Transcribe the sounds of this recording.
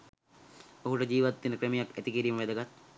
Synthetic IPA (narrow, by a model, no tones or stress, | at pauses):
oɦuʈəd͡ʒiːʋat̪ːinəkɾemijakæt̪ikiɾiːməʋed̪ɐɡat̪